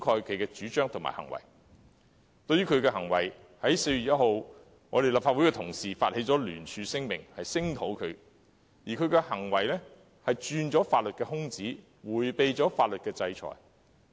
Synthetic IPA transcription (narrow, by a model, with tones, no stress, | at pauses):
kʰɔː˧jkʰɥkɛː˧t͡ʃyː˨˥t͡ʃœː˥ŋt̪ʰʊ˨ŋma̰ː˨˩hɐ̰˨˩ŋwɐ̰˨˩j | t̪ɵ˧ɥyː˥kʰɵ˨˧ɥkɛː˧hɐ˨˩ŋwɐ̰˨˩j | hɐ˨˥jse˧jɥy˨t̚jɐ˥t̚ho˨w | ŋɔː˨˧ɾe˨jlɐ˨p̚faː˧t̚wu˨˥jkɛː˧t̪ʰʊ˨˩ŋsiː˨faː˧t̚he˨˧˥jt͡sɔː˨˥lyː˨˩nt͡ʃʰyː˨˧sɪ˥ŋmɪ̰˨˩ŋhɐ˨jsɪ˥ŋt̪ʰo˨˥wkʰɵ˨˧ɥ | jiː˨˩kʰɵ˨˧ɥkɛː˧hɐ˨˩ŋwɐ˨˩jlɛ˥ | hɐ˨jt͡ʃyː˧nt͡sɔː˨˥faː˧t̚lɵ˨t̚kɛː˧ɦʊ˥ŋt͡siː˨˥ | wuː˨˩jpe˨˧jt͡sɔː˨˥faː˧t̚lɵ˨t̚kɛː˧t͡sɐ˧jt͡ʃʰɔ̰ː˨˩j